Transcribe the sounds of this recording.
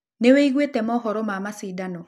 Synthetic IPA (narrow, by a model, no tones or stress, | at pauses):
neweiɣwetɛmɔːɦɔɾɔmamasiːdanɔ